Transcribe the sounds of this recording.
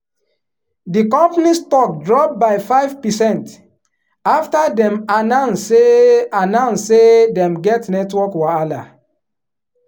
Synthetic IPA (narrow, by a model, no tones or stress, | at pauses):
dikɔ̃mpanistɔk̚dɹɔp̚baɪfaɪvpɛsɛ̃nt | aftadɛ̃manãnsːeanãnsːedɛ̃mɡɛtnɛtwɔkwɔala